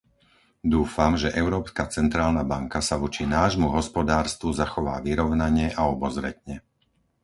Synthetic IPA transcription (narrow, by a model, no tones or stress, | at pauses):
d̪uːfamʒɛʔɛʊɾɔːpskat͡sɛnt̪ɾaːlnabaŋkasaʋɔt͡ʃinaːʒmuɦɔspɔd̪aːɾst̪ʋuzaxɔʋa̰ːʋiɾɔʊnaɲɛʔaɔbɔzɾɛ̰t̪ɲɛ